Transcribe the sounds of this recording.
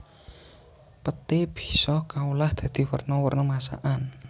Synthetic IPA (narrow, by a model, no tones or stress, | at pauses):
pət̪ɪb̥i̥̤sɔkaulahd̪̥ä̤d̪̥i̤wə̰rnɔwərnɔmasa̰ʔan